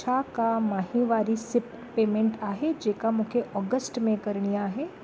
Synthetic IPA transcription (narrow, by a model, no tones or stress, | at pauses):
ʃakamaːɦiʋaːɾisɪp | peːmẽɳʈaːɦed͡ʒeːkamʊkʰeʔɔːɡəsʈmẽkɐɾɳijaɦɛː